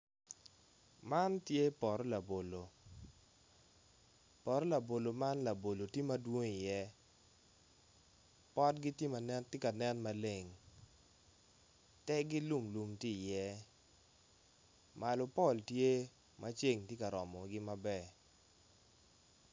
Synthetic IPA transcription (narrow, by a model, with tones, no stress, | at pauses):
ma˦ntje˦pɔ˨ɾɔ˦la˨bo˨lo˨ | pɔ˨ɾɔ˦la˨bo˨lo˨ma˦nla˨bo˨lo˨tji˦ma˦dwo˦ŋi˨jɛ˦ | pɔ˦tɡɪ˦tje˦ma˨nɛ˦ntje˦ka˨nɛ˦nma˦le˨ŋ | tɛ˦ɡɪ˦lu˦mlu˨mti˦˨jɛ˦ | ma˨lɔ˨pɔ˦˨ltje˦ | mʔa˦t͡ʃe˦ŋtje˦ka˨ɾɔ˨mɔ˨ɡɪ˦ma˦bɛ˨